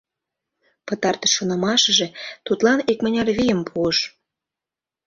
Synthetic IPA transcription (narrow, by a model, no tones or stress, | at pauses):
pət̪ɑrt̪əʃːonɑmɑʃə̆ʒet̪ut̪lɑnik̚mə̆nʲɑrβijəmpʰuəʃ